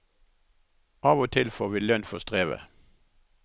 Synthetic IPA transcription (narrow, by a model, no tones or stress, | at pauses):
ɑːʋoːt̪ʰɪlfoːʋiːlœnfɔst̪ʁeːʋə̰